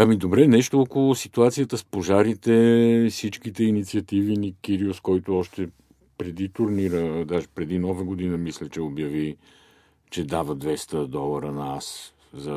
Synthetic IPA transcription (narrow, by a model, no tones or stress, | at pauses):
ɐmid̪obɾɛnɛʃt̪oɔkolˠʊsit̪uat̪sijət̪əspoʒaɾit̪ɛfsit͡ʃkit̪ɛinit̪siɐt̪ivinikiɾioskɔjt̪oɔʃt̪ɛ | pɾɛd̪it̪ʊɾniɾəd̪aʒɛpɾɛd̪inɔvəɡod̪inəmislɛt͡ʃɛobjɐvi | t͡ʃɛd̪avəd̪vɛst̪əd̪ɔlˠəɾənɐas | zɐ